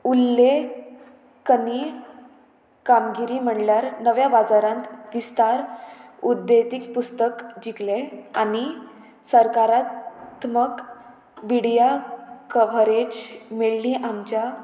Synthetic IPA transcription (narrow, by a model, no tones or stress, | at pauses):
ulːe | kəni | kamɡiɾiːm̤əɳljaɾnəʋjabad͡zaɾãnt̪ʋist̪aɾud̪ːet̪ik̚pust̪əkd͡ʑikleani | səɾkaɾat̪mək | biɽjakəʋəɾed͡ʑmeɭliːʔamt͡ɕja